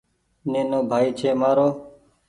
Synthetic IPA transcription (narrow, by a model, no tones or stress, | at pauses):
neːnoːbʱaːiːt͡ʃʰeːmaːɾoː